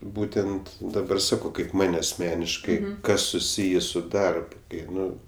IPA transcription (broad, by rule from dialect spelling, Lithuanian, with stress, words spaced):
ˈbuːtʲɛnt dɐˈbɐr ˈsɑːkɐʊ kɐɪp ˈmɐnʲ ɐsʲˈmʲæːnʲɪʃkɐɪ ˈkɐs sʊˈsʲiːjeː ˈsʊ ˈdɐrp ˈkɐɪ ˈnʊ